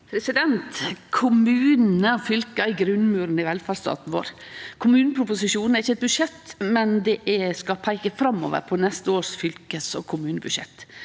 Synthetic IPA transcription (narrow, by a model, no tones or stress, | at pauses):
pʰɾɛsɪd̪ɛnt̪kʰʊmʉːnn̩əɔfʏlkəɪɡɾʉnmʉːɾnɪʋɛlfɑɾst̪ɑ̰ːt̪n̩ʋo̰ːɾkʰʊmʉːnəpʰɾʊpʊsɪʂuːnn̩æɾɪçːəɛt̪̚bʉʂɛt̪ːmɛnd̪ɛʔɛskɑpʰæɪkəfɾɑmːo̰ːʋə̰ɾpʰɔnɛst̪əoːɾsfʏlkəsɔ̰kʰʊmʉːnəbʉʂɛ̰t̪ː